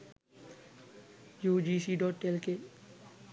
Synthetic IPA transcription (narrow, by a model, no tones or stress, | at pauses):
juːd͡ʒisiːɖɔːʈelke